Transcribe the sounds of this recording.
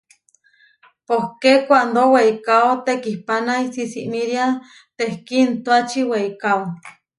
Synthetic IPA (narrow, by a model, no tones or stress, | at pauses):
pohkekʷand̪oweikaot̪ekihpanaisisiʔmiɾia | t̪ehkint̪uat͡ʃiweikao